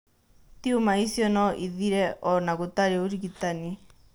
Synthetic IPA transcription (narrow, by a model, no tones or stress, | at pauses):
t̪iumaisiɔnɔʔiðiɾɛʔɔnakut̪aɾiɔuɾikit̪ani